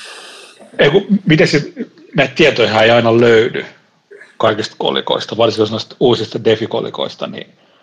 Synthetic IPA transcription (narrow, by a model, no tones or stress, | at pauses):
eikumit̪essit̪ | næˑit̪t̪iæt̪oihæːeiɑinɑløyny̰ | kɑikist̪ko̰lḭko̰ist̪ɑʋɑrsikosenːˑost̪uːsist̪ɑdefiko̰lḭko̰ist̪ɑ̰nḭ